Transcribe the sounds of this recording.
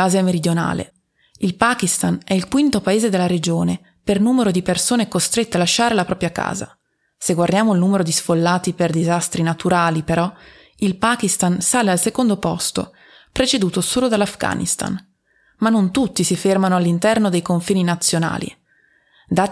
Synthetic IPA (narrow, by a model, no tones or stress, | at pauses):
aːzeameɾid̪jona̰ːlḛ | ilpaːkist̪anɛilkwint̪opaeːzed̪elːaɾed͡ʒoːne | pernuːmeɾod̪ipersoːnekost̪ɾet̪ːealaʃːaːɾelapɾʔɔːpɾjaka̰ːza̰ | seɡward̪jaːmoilnuːmeɾod̪isfolːaːt̪iperd̪izast̪ɾinat̪ʰuɾaːlipeɾɔ | ilpaːkist̪ansaːlealsekond̪opɔ̰st̪o̰ | pɾet͡ʃed̪uːt̪osoːlod̪alːafɡa̰ːnḭst̪a̰n | manːont̪ut̪ːisifermanoalːint̪ɛrnod̪ejkoɱfiːninat̪sːjona̰ːlḭ | d̪aː